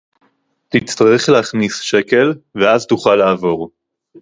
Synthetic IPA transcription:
t̪it͡st̪aʁeχleaχnisʃe̞ke̞lveazt̪uχalːaːvo̞ʁ

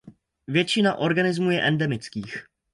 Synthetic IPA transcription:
vjɛt͡ʃɪnaʔo̞ɾɡanɪzmujɛʔɛndɛmɪt͡skiːx

